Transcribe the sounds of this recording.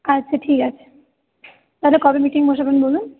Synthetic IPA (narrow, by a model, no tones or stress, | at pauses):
atːɕʰaʈʰikat͡ɕʰe̥ | t̪alekɔbemiʈiŋbʱoʃapɾnbolun